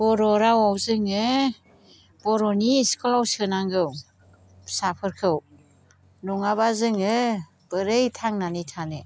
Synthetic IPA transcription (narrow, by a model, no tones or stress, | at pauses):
bɔɾɔɾawawzɯŋɯ | bɔɾɔniskɔlawsɯnaŋɡɯw | sapʰɯɾkʰɯw | nuŋabazɯŋɯ | b̥ɯɾejtʰaŋnanitʰanɯ